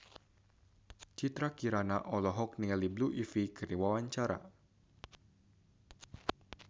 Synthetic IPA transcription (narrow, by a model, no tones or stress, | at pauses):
t͡ʃit̪ɾakiɾanaʔɔlɔɦɔk̚nialibluʔifikərniwawaɲt͡ʃaɾa̰